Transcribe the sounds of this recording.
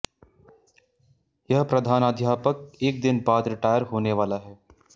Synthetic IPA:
jɐɦpɾɐd̪ʱaːnaːd̪ʱjaːpək̚eːk̚d̪ɪnbaːd̪ɾɪʈaːjəɾɦoːneʋaːlaɦɛː

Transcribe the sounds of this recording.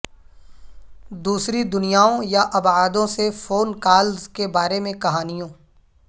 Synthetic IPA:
d̪uːsɾid̪ʊnijaːõjaʔɐbaːd̪õsefoːnkaːlzkebaːɾemẽkɐɦaːnijõː

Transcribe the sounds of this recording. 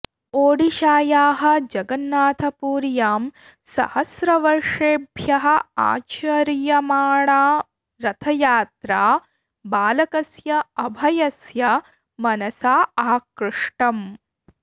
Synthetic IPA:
oːɽiʃaːjaːɦɐ̆d͡ʒɐɡɐnːaːt̪ʰɐpuːɾjaːm | sɐ̰hɐsɾɐʋɐɾʂeːbʱjɐɦɐ̆a̰ːt͡ʃɐɾjɐmaːɳaː | ɾɐt̪ʰɐjaːt̪ɾaː | baːlɐkɐsjɐɐbʱɐjɐsjɐ | mɐnɐsaːaːkɾɨʂʈɐm

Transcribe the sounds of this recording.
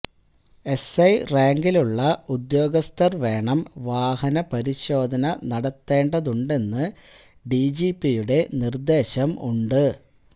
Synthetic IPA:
e̞sɐjraːŋɡiluɭːɐud̪jo̞ːɡɐst̪ɐrʋe̞ːɳɐmʋaːɦɐnɐpɐɾiɕo̞ːd̪ʱɐnɐnɐɽɐt̪ːe̞ːɳɖɐðuɳɖe̞nːɨ | ɖid͡ʑiːpːijuɽe̞nird̪e̞ːɕɐmṵɳɖɨ

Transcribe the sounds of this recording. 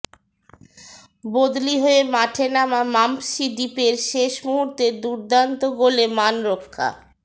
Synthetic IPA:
bod̪liɦoemaʈʰenamamampʃid̪ipeɾʃeʃmuɦuɾt̪ed̪uɾd̪ant̪oɡolemanɾokʰːa̰

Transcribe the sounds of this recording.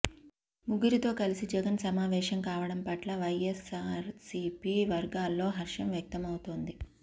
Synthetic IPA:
muɡiɾit̪o̞ːkɐlisid͡ʒɛɡɐnsɐmaːʋɛːʂɐmkaːʋɐɽɐmpɐʈlɐʋɐjesaːɾsiːpiːʋɐɾɡaːlːo̞ːɦɐɾʂɐmjɐk̚t̪ɐmɐwut̪oːnd̪i

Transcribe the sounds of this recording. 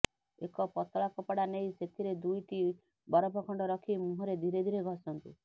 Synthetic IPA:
ekɔpɔt̪ɔɭakɔpaɽanejset̪ʰiɾed̪ujʈi | bɔɾɔbʱɔkʰɔɳɖɔɾɔkʰimũɦɔɾed̪ʱiɾed̪ʱiɾeɡʱɔsɔnt̪ṵ

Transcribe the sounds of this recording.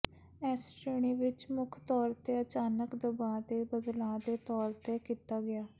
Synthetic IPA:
ɛːsʈɾeːɳiːʋɪt͡ʃmʊkʰt̪ɔːɾt̪eːət͡ʃaːnəkd̪əbaːd̪eːbəd̪lãːd̪eːt̪ɔːɾt̪ekiːt̪aːɡɪjaː

